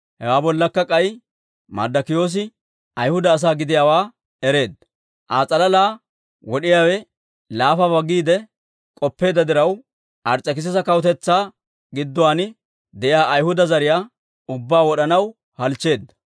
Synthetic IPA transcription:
hɛwaːbɔlːɐkːɐkʼɐj | mɐ̰d̪ɐkɪjo̞ːs̬ɪ | ʔɐjhʊd̪ɐːs̬aːɡɪd̪ɪjaːwaː | ɛɾe̞ːd̪ːɐ̥ | ʔaːt͡sʼɐlɐlaː | wɔɗɪjaːwɛ | laːfɐbɐɡiːd̪ɛ | kʼɔpːe̞ːd̪ɐd̪ɪɾɐw | ʔɐɾt͡sʼːɐkɪs̬ɛsɐkɐwʊt̪ɛt͡sːaː | ɡɪd̪ːʊwaːnɪ | d̪ɛʔɪjaːʔɐjhʊd̪ɐzɐɾɪjaː | ʊbːaːwɔɗɐnɐw | hɐlt͡ʃːe̞ːd̪ːɐ̥

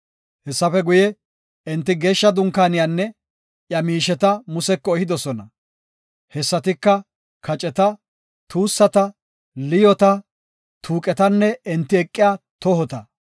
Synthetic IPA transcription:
hɛsːɐfɛɡʊjɛ | ɛnt̪ːɪɡe̞ːʃːɐd̪ʊŋkaːnɪjanːɛ | jɐmiːʃɛt̪ɐmʊsɛkːɔɛhɪd̪ɔsɔnɐ | hɛsːɐt̪ɪkːɐ | kʰɐt͡ʃʼɛt̪ɐ | t̪uːsːɐt̪ɐ | lɪjɔt̪ɐ | t̪ʰuːkʼɛt̪ɐnːɛɛnt̪ːɪɛkʼːɪjaːt̪ɔɦɔt̪ɐ

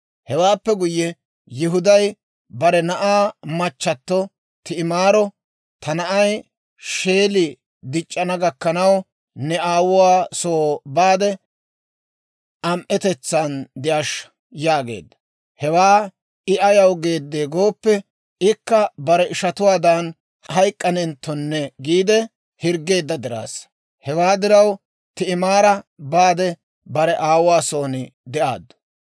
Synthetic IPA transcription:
hɛwaːpːɛɡʊjːɛ | jɪɦʊd̪ɐj | bɐɾɛnɐʔaːmɐt͡ʃːɐt̪ːɔ | t̪ɪɪmaːɾɔ | t̪ɐnɐʔɐj | ʃe̞ːlɪ | d̪ɪt͡ʃʼːɐnɐɡɐkːɐnɐw | nɛaːwʊwaːsoːbaːd̪ɛ | ʔɐmʔɛt̪ɛt͡sːɐnd̪ɪjaʃ | jaːɡe̞̰ːd̪ːɐ̥ | hɛwaː | ɪʔɐjɐwɡe̞ːd̪ːeːɡo̞ːpːɛ | ɪkːɐbɐɾɛʔɪʃɐt̪ʊwaːd̪an | hɐjkʼːɐnɛnt̪ːɔnːɛɡiːd̪ɛ | hɪɾɡe̞ːd̪ːɐd̪ɪɾa̰ːs | hɛwaːd̪ɪɾɐw | t̪ɪɪmaːɾɐbaːd̪ɛ | bɐɾɛʔaːwʊwaːsoːnɪd̪ɛʔaːd̪ːʊ̥

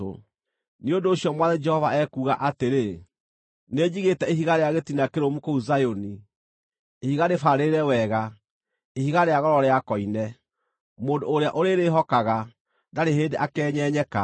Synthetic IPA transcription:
o̰ | niondoːɕjɔmwaðɛd͡ʒɛhɔva̰ɛkuɣaʔateɾe | ned͡ʑiɣetɛeɦiɣaɾeaɣetinakeɾomukouzajoni | ehiɣaɾefaɾeɾɛwɛɣa | ehiɣaɾeaɣɔɾɔɾeakɔinɛ | moːndoːɾeaʔoɾeɾeɦɔkaɣa | daɾeɦeːndeʔakɛːɲɛɲɛka

